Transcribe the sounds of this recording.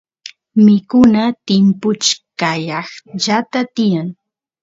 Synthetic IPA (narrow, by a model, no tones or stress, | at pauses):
mɪkʊnat̪ɪmpʊt͡ʃkajɑχʎat̪at̪ɪjaŋ